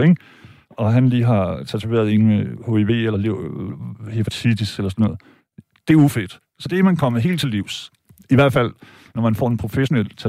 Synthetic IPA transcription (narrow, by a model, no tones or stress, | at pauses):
eɡ̥ | ɒ̽ɦænliːɦɑ̈t͡sʰæt͡sʰuʋe̝̰ɐð̞̩ˠe̝nəmeho̝e̝ʋe̝̰ːelɐle | he̥æt͡sʰidiselɐs̬ɒnːɔ̽ð̩ˠ | d̥e̝æɐufe̝d̥ | sɒ̽d̥eæmænkʰɒ̽məɦe̝̰ːlt͡sʰe̝liʊ̰s | iʋæɐ̰d̥fæl̰ | nɒmænfɒ̰ːe̝npʰʁo̝feɕo̝nel̰t͡sʰæ